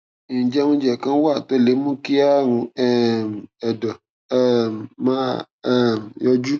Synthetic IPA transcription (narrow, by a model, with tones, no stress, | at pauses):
ŋĩ˨d͡ʒɛ˦mũ˦d͡ʒɛ˨kã˦wa˦˨t̪o˦le˨˦mũ˦ki˦a˦ŋũ˨ɛ˨m˨ɛ˨dɔ˨ | ɛ˦mmã˦˨ | mjɔ˦d͡ʒu˦